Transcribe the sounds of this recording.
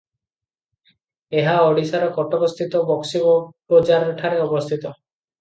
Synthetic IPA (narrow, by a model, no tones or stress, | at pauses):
eɦaɔɽisaɾɔkɔʈɔbɔst̪ʰit̪ɔbɔksibɔpɔd͡ʒaɾɔʈʰaɾeɔbɔst̪ʰit̪ɔ